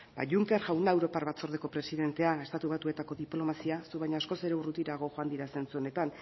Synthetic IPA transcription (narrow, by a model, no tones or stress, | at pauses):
ba̰ʝuŋke̞ɾʝawnaewɾo̞paɾβat͡so̞ɾðeko̞pɾe̞siðe̞nt̪e̞ae̞st̪at̪uβat̪ue̞t̪ako̞ðiplo̞masiasuβajɲaːsko̞se̞ɾe̞urut̪iɾaɣ̞o̞xo̞and̪iɾase̞nt͡suone̞t̪an